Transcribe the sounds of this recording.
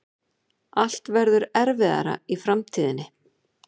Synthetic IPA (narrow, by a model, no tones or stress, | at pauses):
al̥t̪vɛɾðʏɾɛɾvɪða̰ɾa̰ifɾamt̪ʰiːðɪnːɪ